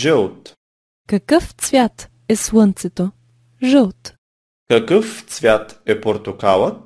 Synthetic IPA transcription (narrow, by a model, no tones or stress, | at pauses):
ʒɛlt̪ | kɐkəft̪svʲjat̪ | ɛslˠənt̪sɛt̪o | ʒəlˠt̪ | kɐkəft̪svʲjat̪ɛpoɾt̪ʊkalˠət̪